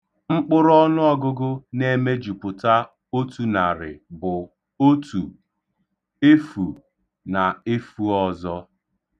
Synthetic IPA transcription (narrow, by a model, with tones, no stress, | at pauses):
ŋ͡m̩˦k͡pʊ˦ɾɔ˦nʊ˦ɔ˦ɡʊ˦ɡʊ˦ne˦me˦d͡ʒu˨pʊ˨ta˦ | o˦tu˨na˨ɾɪ̰˨bʊ˨ | o˦tu˨ | e˦fu˨ | na˨e˦fu˦ɔ˦zɔ˦